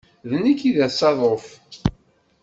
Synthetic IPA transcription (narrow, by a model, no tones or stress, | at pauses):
ðənikːiðæsɑðˤof